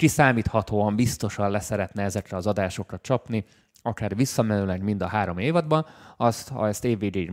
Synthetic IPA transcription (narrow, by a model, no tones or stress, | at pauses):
kisaːmiːt̪hɒt̪oːɒmbist̪o̞ʃɒllɛsɛɾɛt̪nɛɛzɛkrɛɒzɒd̪aːʃo̞krɒt͡ʃɒpni | ɒkaːrvisːɒmɛnylɛɡmind̪ɒɦaːɾo̞meːvɒd̪bɒnɒst̪hɒ̰ɛst̪eːveːɡe